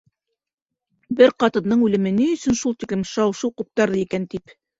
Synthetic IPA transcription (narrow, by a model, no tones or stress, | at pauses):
bɘɾqɑt̪ɤ̆nːɤɴʉlɘ̆mɘniɵ̆sɵnʃulˠt̪iklɘmʃɑwʃɤwqup̚t̪ɑɾðɤikænt̪ip